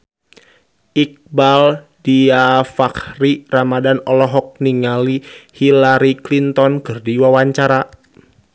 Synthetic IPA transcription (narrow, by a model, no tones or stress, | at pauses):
ʔik̚bal | diafakriramadanɔlɔɦɔk̚niŋalihilaɾiklint̪ɔnkərdiwawaɲt͡ʃaɾa